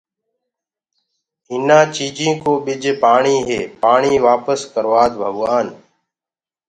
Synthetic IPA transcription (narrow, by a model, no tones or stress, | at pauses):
ɪnãːt͡ʃiːd͡ʒĩːkoːɓɪd͡ʒpaːɳiːɦeːpaːɳiːʋaːpəskəɾʋaːd̪bʱəɡʋaːn